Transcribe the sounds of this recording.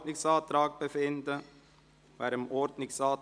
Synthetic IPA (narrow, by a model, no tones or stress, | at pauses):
nɪŋsɑːt̪ɾɑːɡ̚b̥əfɪndə | vaːɾəmɔɾdnɪsɑːt